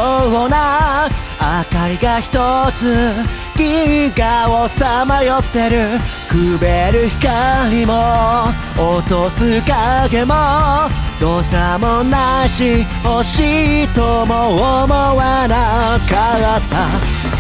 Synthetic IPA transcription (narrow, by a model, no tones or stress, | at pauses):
ɡona | akaɾʲiɡaçi̥t̪ot͡sɨ | kʲiɡaosamajot̪ːe̞ɾɯ̟ | kɯbeɾɯ̟çi̥kaɾʲimo | ot̪osɨkaɡemod̪oːɕiɾamonːaɕi | hoɕit̪omoomoβanakaɡat̪ːa